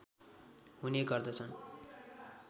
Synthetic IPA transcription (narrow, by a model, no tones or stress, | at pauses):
ɦuneɡʌrd̪ʌt͡sʰʌn